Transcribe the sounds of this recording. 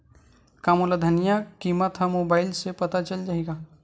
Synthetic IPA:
kamolad̪ʱənijakimət̪ɦəmoːbaːɪlsepət̪at͡ʃəld͡ʒaːɦeɡaː

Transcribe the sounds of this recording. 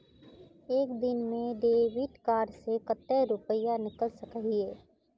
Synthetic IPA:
eːkd̪ɪnmẽɖ̪eːʋiʈkaːɾsekət̪ːeɾʊpəjanɪkəlsəkɦieː

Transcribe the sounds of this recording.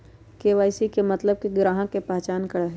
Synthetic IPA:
keːʋaːɪsikemɐt̪ləb̚kiɡɾaːɦãkepaːt͡ʃaːnkəɽaɦɛ

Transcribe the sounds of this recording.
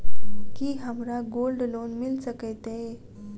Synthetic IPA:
kiːɦamɾaɡolɖlonmilsəket̪e

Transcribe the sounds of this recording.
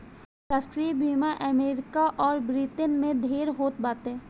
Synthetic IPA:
ɾaːsʈɾiibʱiːmaʔɛmeːɾɪkaʔɔːɾbɾit̪ənmẽd̪ʱeːɾɦoːt̪baːt̪ɦɛ̃ː

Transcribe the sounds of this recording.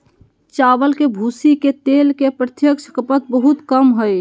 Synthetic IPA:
t͡ʃaʋəlkebʱusiket̪elkepɾət̪jəkt͡ʃʰkəpət̪̚bəɦut̪kəmɦəj

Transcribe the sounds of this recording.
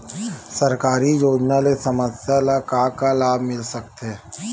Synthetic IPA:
sɐɾkaːɾijoːd͡ʒnalesɐməsjalakaːkalaːbmɪlsɐk̚t̪ɦɛː

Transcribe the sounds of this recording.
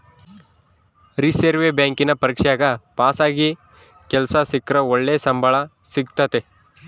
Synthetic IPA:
ɾiseɾʋebjaːŋkinɐpɐɾikʂɛjaːɡɐpaːsaːɡi | kɛlsɐsikɾɐoɭːesɐmbʱɐɭɐsiɡt̪ɐt̪e

